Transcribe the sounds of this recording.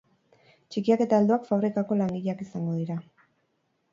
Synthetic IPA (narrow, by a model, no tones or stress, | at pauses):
t͡ʃikiake̞t̪ald̪uakfaβɾikako̞laŋɡiʎeakisaŋɡo̞ðiɾa